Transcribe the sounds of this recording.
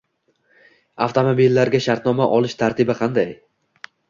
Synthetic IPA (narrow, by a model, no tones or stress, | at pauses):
aft̪ʰomobilːaɾɡʲaʃaɾt̪nɒmaʔɒlˠɪʃt̪ʰaɾt̪ʰɪbɪqʰɑnd̪aj